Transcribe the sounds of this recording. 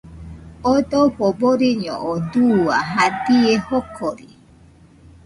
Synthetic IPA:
od̪oɸoboɾiɲɔ̰̃ʔɔd̪uaɦad̪iehokʰoɾi

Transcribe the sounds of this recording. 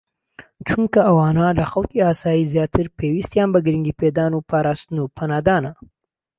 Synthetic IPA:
t͡ʃuŋkaawɑnɑlaxawkiɑsɑizjɑt̪ʰɪɾpewist̪jɑmbaɡɾiŋɡiped̪ɑnopaɾɑst̪nopʰanɑd̪ɑna

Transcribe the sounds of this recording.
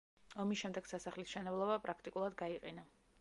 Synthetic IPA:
ɔmisʃɛmd̪ɛɡ̥sasaχlisʃɛnɛblˠɔbapʼɾakʰt̪ʼikʼulˠad̪ɡaiqʼɛna

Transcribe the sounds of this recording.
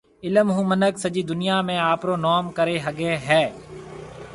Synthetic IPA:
ɪləmɦũːmənəksəd͡ʒiːd̪ʊnɪjaːmẽːaːpɾoːnɔːmkəɾeːɦəɡeːɦɛː

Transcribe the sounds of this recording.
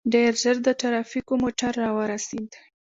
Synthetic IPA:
ɖeɾzəɾd̪ət̪aɾɑfikomoʈaɾːɑwəɾasid̪

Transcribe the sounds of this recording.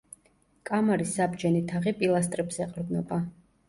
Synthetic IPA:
kʼamaɾisabd͡ʒɛnit̪ʰaʁipʼilˠas̬t̪ʼɾɛbzɛqʼɾd̪nɔba

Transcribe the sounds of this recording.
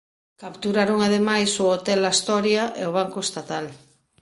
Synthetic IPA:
kapt̪uɾaɾuŋaðemajsoot̪elaist̪oɾjaʔeoβ̞aŋkoest̪at̪al

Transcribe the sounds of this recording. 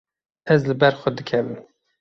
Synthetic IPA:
ɛzlɨbɛɾxʷəd̪ɨkʰɛm

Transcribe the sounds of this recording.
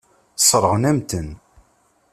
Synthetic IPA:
sˤɾˤəʁnæmt̪ən

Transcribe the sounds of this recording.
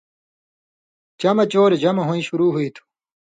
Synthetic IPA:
t͡ɕɐmɐt͡ɕoːɾed͡ʑɐmɐɦũĩɕuɾuːɦuit̪ʰu̥

